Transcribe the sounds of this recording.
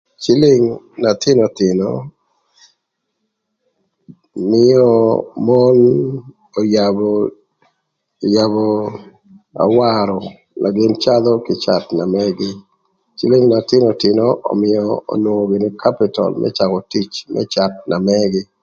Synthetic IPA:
t͡ʃɪ˦lɪ˦ŋna˨t̪ɪ˦no˨tɪ˨nɔ˦ | mɪ˦ɔ˦mɔ˦n | o˨jabɔ˨ | ja˨bɔ | a̰˨waɾɔ | nʔa˨ɡɪ˦nt͡ʃa˦d̪ɔ˦kɪ˨t͡ʃa˨t̪na˨mɛɡɪ˦ | t͡ʃi˦lɪ˦ŋna˨tɪ˦nɔ˨tɪ˨nɔʔo̰˨mɪ˨ɔ̰ː˨nwo˨o˨ɡɪ˨ni˦kʰa˦pɪ˨tɔ̰˨lmʔɛ̰˦t͡ʃa˨kɔ˨ti˦t͡ʃmʔɛ̰˦t͡ʃa˨t̪̚na˨mɛ˦ɡɪ˦

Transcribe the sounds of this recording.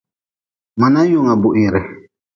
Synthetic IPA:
ma˨na˦jʊ˦˨ŋa˨bʊ˨ʔɪ˨ɾɛ˨

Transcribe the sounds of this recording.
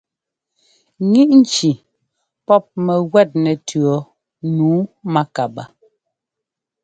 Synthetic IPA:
ŋi˦ʔn̩˦t͡ʃi˨ | pɔ˦p̚mɛ˨ɣwɛ˦˨t̚nɛ˨tʰɰɔ˨˦ | nuː˨˦ma˦ka˨ba˨

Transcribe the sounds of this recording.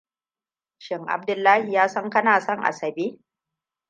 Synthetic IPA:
ʃɪ˨ŋʔa̰˨b̚dʊ˨lːaː˦hi˨jaː˦sɐ˦ŋkɐ˦naː˨sɔ˦ŋʔa̰˨sɐ˨beː˦

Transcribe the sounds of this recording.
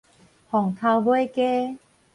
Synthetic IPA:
hɔ˨˩ŋt̪ʰa˧wbo˦jke˦

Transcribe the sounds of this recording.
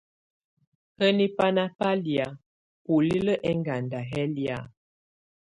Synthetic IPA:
hə˦ni˦pa˦na˦pa˦li˨a˨ | pu˨li˦lə˦ʔɛ˦ŋɡa˨nda˨ɦɛ˦li˨a̰˨

